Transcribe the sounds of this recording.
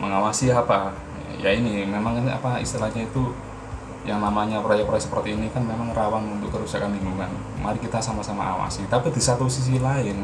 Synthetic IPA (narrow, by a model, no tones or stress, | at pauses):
məŋawasiapa | ja̰inimemaŋa̰paḭst̪ilad͡ʒait̪u | jaŋnamaɲapɾajapəɾajasə̥pərt̪iːnikanmemaŋrawanunt̪ʊkːəɾusakanliŋɡuŋan | maɾikit̪asamasama̰a̰wa̰sit̪apidisat̪usis̬ilaɪn